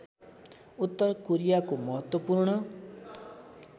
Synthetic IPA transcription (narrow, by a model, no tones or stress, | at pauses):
ut̪ːʌrkoɾijakomʌɦʌt̪wʌpuɾɳʌ